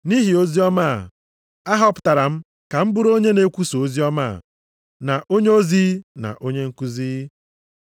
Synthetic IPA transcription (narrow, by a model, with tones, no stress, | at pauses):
ni˦ɦi˨o˦zi˦ɔ˦ma˦˨ | a˦ɦɔ˦pʊ̥˨ta˨ɾa˨m̩˦ | ka˨m̩˦bʊ˦ɾo˦ɲe˦ne˨kʷu˦so˨o˦zi˦ɔ˦ma̰˦˨ | na˨ʔo˦ɲe˦o˦zi˦na̰˨ʔo˦ɲe˦ŋ̩˦ku˦ziː˦